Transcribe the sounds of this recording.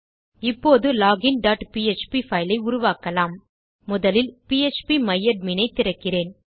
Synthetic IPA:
ɪpːoːðɯlaːɣɪnɖaːʈpiet͡ʃpifɐɪlɐɪʊɾʊʋaːkɐlaːmː | ʊðɐlɪlpiːɛt͡ʃpimɐjːɐɖ̚minɐɪt̪ːɪɾɐkːɪreːn

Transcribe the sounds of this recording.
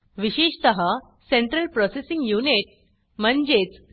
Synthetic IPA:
ʋiɕeɕt̪əɦa | seɳʈɾəlpɾɔsesiŋɡjuniʈ̚ | mənd͡ʑet͡s

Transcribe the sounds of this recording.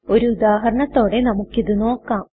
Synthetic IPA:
o̞ɾuud̪aːɦɐɾɐɳɐt̪ːo̞ːɽe̞nɐmukːiðɨno̞ːkːaːm

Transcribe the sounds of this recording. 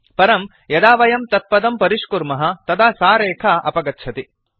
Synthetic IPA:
pɐɾɐm | jɐd̪aːʋɐjɐmt̪ɐt̪̚pɐd̪ɐmpɐɾiʂkuɾmɐɦɐ̆t̪ɐd̪aːsaːɾeːkʰɐʔɐ̰pɐɡɐtːt͡ʃʰɐt̪i

